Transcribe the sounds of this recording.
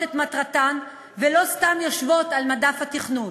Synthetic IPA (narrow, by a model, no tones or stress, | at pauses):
et̪mat̪ʁat̪an | velo̞st̪amjo̞ʃvo̞t̪almadafhat̪iχnun